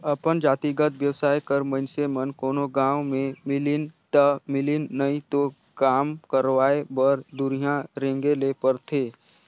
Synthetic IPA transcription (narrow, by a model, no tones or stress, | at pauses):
əpənd͡ʒaːt̪iɡət̪ʋjəwsaːjkəɾmə̃nsemənkoːnoɡãːwmẽmɪlɪnt̪əmɪlɪnːəĩt̪o | kaːmkəɾʋaːebəɾd̪ʊɾijãɾẽːŋɡelepəɾt̪ʰeː